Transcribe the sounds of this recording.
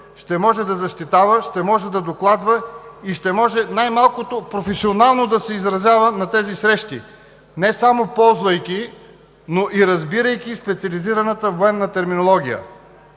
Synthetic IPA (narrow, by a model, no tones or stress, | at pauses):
ʃt̪ɛmɔʒɛd̪ɐzɐʃt̪it̪avəʃt̪ɛmɔʒɛd̪ɐd̪oklˠad̪vɐiʃt̪ɛmɔʒɛnajmalˠkot̪opɾofɛsionalˠnod̪ɐsɛizɾɐzʲjavənɐt̪ɛzisɾɛʃt̪ḭ | nɛsamopɔlˠzvɐjkʲi | noʔiɾɐzbiɾəjk̟ʲispɛt̪siɐliziɾɐnət̪əvoɛnːɐt̪ɛɾminolˠɔɡʲijə̰